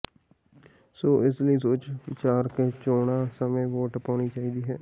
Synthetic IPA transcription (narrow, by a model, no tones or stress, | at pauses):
soːʔɪsləiːsoːt͡ʃʋɪt͡ʃaːɾkeːt͡ʃoːɽaːsəmẽːʋoːʈpaːɳ̃iːt͡ʃaːiːd̪iːɦɛː